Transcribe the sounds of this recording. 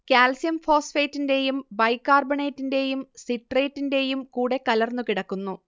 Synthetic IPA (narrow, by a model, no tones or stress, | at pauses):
kaːlsijɐmfo̞ːsfeːtːinde̞jumbɐjkːaːrbɐɳe̞ːtːinde̞jumsiʈre̞ːtːinde̞jumkuːɽe̞kɐlɐrnukiɽɐkːunːu